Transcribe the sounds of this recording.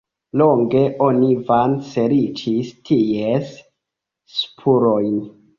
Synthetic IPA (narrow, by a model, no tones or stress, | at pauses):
lo̞ŋɡe̞ʔo̞nivanse̞ɾit͡ʃistʰiesː | pʰuɾo̞jn